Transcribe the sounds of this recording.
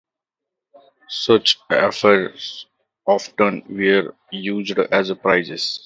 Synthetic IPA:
sʌt͡ʃɛ̰fəɾs | ɔːfʈə̃nʋeɾ | juːd͡ʒɖæzəpɾaɪzɪs

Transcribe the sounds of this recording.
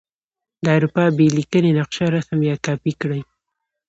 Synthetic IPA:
d̪əawɾupɑbelikənenaqʃaɾasamjɑkɑpikɽəj

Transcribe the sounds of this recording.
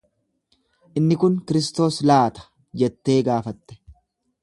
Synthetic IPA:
ʔɪnːɪkʊŋkɪɾɪst̪o̞ːslaːt̪ɐ̥ | d͡ʒɛt̪ːe̞ːɡaːfɐt̪ːɛ̥

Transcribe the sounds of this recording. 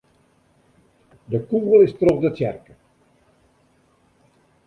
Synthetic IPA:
dəkuɣəlˠɪstroχdətsɛrkə

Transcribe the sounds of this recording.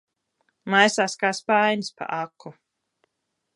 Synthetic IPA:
majsaːskaːspajnʲspa̰ʔakʰːu

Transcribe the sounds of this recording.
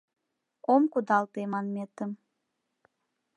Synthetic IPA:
omkud̪ɑlˠt̪emɑnmʲet̪əm

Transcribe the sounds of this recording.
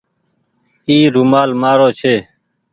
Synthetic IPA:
iːɾumaːlmaːɾoːt͡ʃʰeː

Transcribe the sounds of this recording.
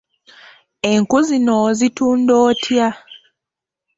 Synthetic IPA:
e̞ŋkuzinozituːndoːtʰja

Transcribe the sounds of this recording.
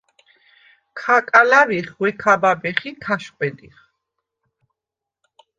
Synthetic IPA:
kʰakʼalaviχwɛkʰababɛχik̪ʰaʃqʼwɛd̪iχ

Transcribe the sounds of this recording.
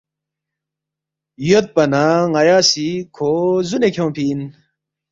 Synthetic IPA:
jot̪̚pɐnaŋɐjaːsikʰozunekʰõpʰiːn

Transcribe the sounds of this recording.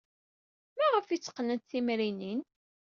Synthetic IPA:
mæʁəfit͡sːə̥qːnənt̪θimɾinin

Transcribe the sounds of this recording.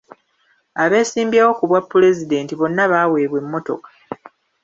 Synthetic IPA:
aβe̞ːsiːmbjawo̞kuβwapːule̞zide̞ːntiβo̞nːaβaːwe̞ːβwe̞mːo̞to̞̰kḁ

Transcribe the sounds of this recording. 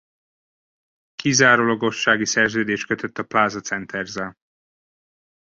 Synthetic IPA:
kizaːɾolɒɡo̞ʃːaːɡisɛrzøːd̪eːʃtkøt̪ʰøt̪ːɒplaːzɒt̪sɛnt̪ʰɛrzɛl

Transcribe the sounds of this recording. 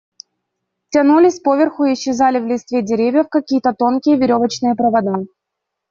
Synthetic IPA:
tʲɐnulʲɪsʲpo̞vʲɪrxʊɪɪɕːɪzalʲɪvlʲɪst̪vʲedʲɪɾʲevʲjəfkɐkʲijət̪ət̪o̞nkʲɪjəvʲɪɾʲo̞vət͡ɕnɨjəpɾəvɐd̪a

